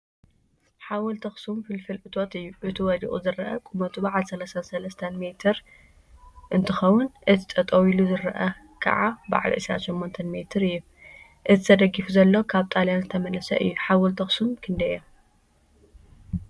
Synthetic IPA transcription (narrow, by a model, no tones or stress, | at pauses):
ħawɔlt̪ʰɐxsumfɨlfɨlʔɨt̪ʰo̞t̪ɨjːuʔɨt̪ʰiwɔd̪ḭʔʼuzɨɾɐʔɐ̰kʼumɐt̪ʰubaʕalsɐlasansɐlɐst̪ʰɐnmet̪ʰɨɾ | ʔɨnt̪ʰɨxɐwʊnʔɨt̪ʰit̪ʼɐt̪ʼɐwiluzɨɾɐʔɐ | kʰɐ̰ʕaba̰ʕ̰lʔɨ̰sɾa̰ʃɛmːont̪ʰɐnmet̪ʰɨɾɨjːu | ʔɨt̪ʰɨ̥t̪ʰɐd̪ɐɡːifuzɐlːokʰaβt̪ʼaljanzɨt̪ʰɐmɐnɐsɐ̰ʔɨ̰jːuħawɔlt̪ʰɐxsumkʰɨnd̪ɐjom